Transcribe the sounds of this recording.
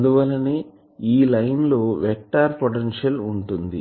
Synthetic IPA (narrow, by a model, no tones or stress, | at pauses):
ɐnd̪uʋɐlːɐni | iːlɐjnloːʋɛk̚ʈːaːɾpoʈenʂɐluɳʈund̪ḭ